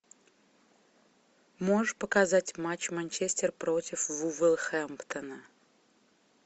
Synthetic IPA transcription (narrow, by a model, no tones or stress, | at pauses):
moʐəʂpəkazatʲmat͡ɕmanʲt͡ɕesʲtʲɪrpɾotʲɪfvuvɛlˠxɛmpt̪ənə